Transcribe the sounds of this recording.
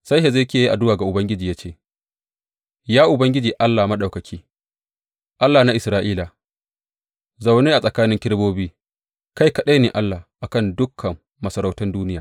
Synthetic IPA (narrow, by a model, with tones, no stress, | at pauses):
sa˦jhe˨za˦jkʲeː˨ji˦ʔa˨dʊ˦waː˨ɡa˨ʔʊ˨bɐ˦ŋɡʲɪ˦d͡ʒiː˨jaː˦t͡ʃeː˦˨ | jaː˦ʔʊ˨bɐ˦ŋɡʲɪ˦d͡ʒiː˨ʔa˦lːaː˨mɐ˦ɗa˨wkɐ˨kʲʰiː˦ | ʔa˦lːaː˨na˦ʔɪ˨sɾaː˦ʔiː˦la˨ | za˨wneː˦ʔa˨sʼɐ˨kaː˦nɪ˦ŋkʲɪ˦ɽboː˦biː˦ | ka˦jkɐ˦˨ɗe˦niː˨ʔa˦lːa˨ʔa˨kɐ˦˨ndʊ˦kʰːɐ˨mːɐ˨sɐ˨ɾa˦˨wtʊ˦nduː˦nɪ˦jaː˨